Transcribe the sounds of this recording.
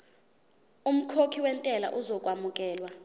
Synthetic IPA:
um̩kʰokʰiwɛntʼɛla̰ʔuzɔkʼwamukʼɛːlwa

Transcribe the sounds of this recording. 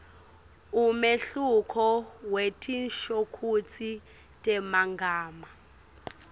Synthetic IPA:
umeɬukʰɔwetʰinʃokʰut͡sʰi | tʼɛmaŋɡʱaːma

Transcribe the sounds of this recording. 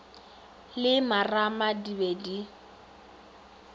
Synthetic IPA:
lɪmaramadibedi

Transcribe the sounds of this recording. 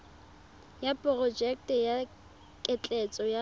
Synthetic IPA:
japʼɔrɔd͡ʒɛk̚tɛja | kʼɛt͡ɬʼɛt͡sʼɔja

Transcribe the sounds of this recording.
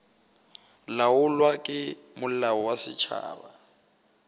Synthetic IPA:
laʊlwakʼɪ | mʊl̩aɔwasɪt͡ʃʰa̰ːba

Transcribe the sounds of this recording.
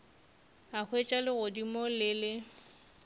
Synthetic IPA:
ak͡xʰwet͡ʃʼalɪɣʊdimɔlɪlɪ

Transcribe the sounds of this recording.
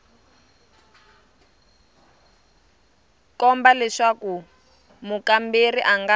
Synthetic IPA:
kɔmbalɛʂaku | mukamberiʔaŋɡa

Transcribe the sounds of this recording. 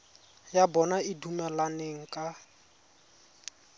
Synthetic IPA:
jabɔnaidumɛlaneŋ̩kʼa

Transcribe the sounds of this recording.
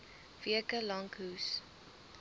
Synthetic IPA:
viəkəlɐŋkus

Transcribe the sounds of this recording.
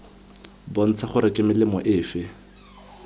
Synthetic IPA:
bɔn̩t͡sʰaχʊɾɪkʼɪmɪlɪmɔʔɪːfɪ

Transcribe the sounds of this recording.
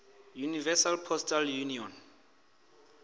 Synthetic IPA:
junivɛsalpʰɔstʰʼaljuniɔn

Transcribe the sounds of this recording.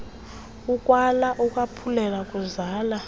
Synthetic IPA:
ukʼwalaʔukʼwapʰulɛlakʼuzaːla

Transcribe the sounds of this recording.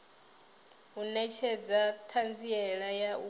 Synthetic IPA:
unɛt͡ʃʰɛd͡zatʰand͡ziɛɺajau

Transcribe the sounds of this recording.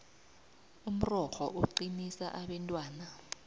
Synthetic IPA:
um̩rɔxɔ̰ʔoǃinisa̰ʔaɓɛntʼwaːna

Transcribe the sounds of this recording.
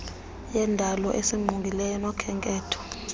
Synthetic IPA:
jɛndʱalɔʔesiŋ͡ǃʱuŋɡʱilɛjɔnɔkʰɛŋkʼɛːtʰɔ̥

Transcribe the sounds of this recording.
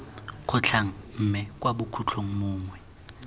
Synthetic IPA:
kʰʊt͡ɬʰaŋ̩m̩ːmɛk̬ʼwaɓʊkʰut͡ɬʰoŋ̩mʊːŋwɛ

